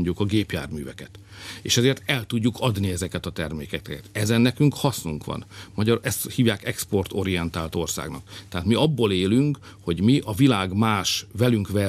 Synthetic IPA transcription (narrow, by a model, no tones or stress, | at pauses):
ɲɟukɒɡeːpja̰ːrmyːvɛkɛt̪ | eːʃɛzeːrt̪ɛlt̪uɟːukʰɒd̪niɛzɛkɛt̪ɒt̪ɛrmeːkɛkɛkɛt̪ɛzɛnːɛkyŋkhɒsnuŋkʋɒ̰nmɒɟɒɛst̪hiːvjaːkɛkspo̞rt̪o̞ɾijɛnt̪aːlt̪o̞rsa̰ːɡnɒ̰kt̪ɛɦaːt̪miɒbːoːleːlyŋk | ho̞ɟmiʔɒvilaːɡmaːʃvɛlyŋkʋɛ